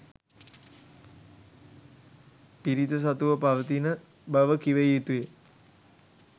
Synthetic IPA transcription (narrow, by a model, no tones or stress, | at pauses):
piɾit̪əs̬at̪uʋəpaʋət̪inə | bəʋəkiʋəjiːt̪uje